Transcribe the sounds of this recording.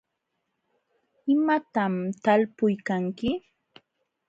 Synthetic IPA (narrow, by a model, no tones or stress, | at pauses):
ɪmat̪amt̪alpʊjkaŋkɪ